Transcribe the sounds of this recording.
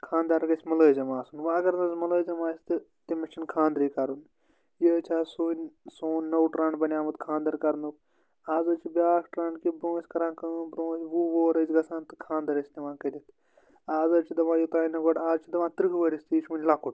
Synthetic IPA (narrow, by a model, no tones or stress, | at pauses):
kʰãːnd̪aːɾɡɐsʲmɐləːzɐmaːsunʋaɐɡɐɾnɐzmɐləːzɐmaːsʲt̪ɨ | t̪imɐt͡ʃʰinkʰãːnd̪ɾiːkɐɾun | jət͡ʃʰaːsuːnʲsoːnʲːɐwʈɾãːɳɖbɐnʲaːmɨt̪kʰãːnd̪ɐɾkɐɾnuk̚ | aːzɐːt͡ʃʰibʲaːkʈɾãːɳɖkibɾõːsʲkɐɾãːkɐnbɾõːsʋuʋoːɾɐzɡɐsãːnt̪ɨ̥kʰãːnd̪ɐɾɐsʲnɐʋãːkɐlʲit̪ʰ | aːzɐɾt͡ʃʰid̪ɐʋãːjut̪aːjnɐɡoɖaːzt͡ʃʰid̪ɐʋãːt̪ɾɨkʰʋəɾʲisʲt̪iːʃmunʲlakʰuʈ